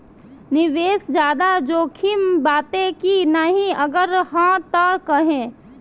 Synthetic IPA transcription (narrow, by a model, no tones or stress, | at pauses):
nɪʋeːsd͡ʒjaːd̪ad͡ʒoːkʰimbaːt̪ẽkinaɦĩəɡəɾɦãt̪əkəɦẽː